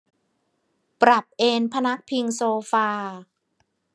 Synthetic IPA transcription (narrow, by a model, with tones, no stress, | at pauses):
pɾa˨˩p̚ʔeː˧npʰa˧na˦˥k̚pʰi˧ŋsoː˧faː˧